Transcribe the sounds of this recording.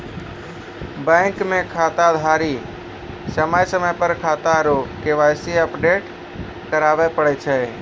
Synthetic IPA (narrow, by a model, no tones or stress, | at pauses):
bə̃ɪŋkmekʰat̪ad̪ʱaɾi | səməjsəməjpəɾkʰat̪aɾokeʋajseəpɖeʈ | kəɾabɛpəɽɛt͡ʃʰɛ